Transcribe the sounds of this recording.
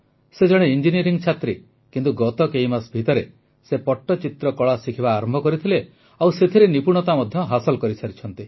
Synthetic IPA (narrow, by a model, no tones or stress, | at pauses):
sed͡ʒɔɽ̃eind͡ʒiniɔɾiŋt͡ʃʰat̪ɾi | kint̪uɡɔt̪ɔkejmasbʱit̪ɔɾe | sepɔʈːɔt͡ʃit̪ɾɔkɔɭasikʰibaːɾɔmbʱɔkɔɾit̪ʰile | awset̪ʰiɾenipuɽ̃ɔt̪amɔd̪ʱjɔɦasɔlkɔɾisʰaɾit͡ʃʰɔnt̪i